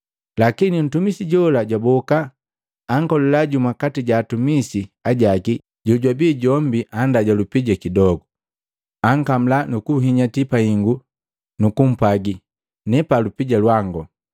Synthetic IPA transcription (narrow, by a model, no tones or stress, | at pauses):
lakinin̩tumisiɟɔlaɟwabɔkaː | ŋkɔlɛlaɟumakatiɟaːtumisiaɟaɡi | ɟɔɟwabiːɟɔm̩biʔandaɟalupiɟakidɔɡu | aŋ̩kam̩lanukuɦiɲatipahiŋɡu | nukum̩paɡi | nɛpalupiɟalwaŋɡɔ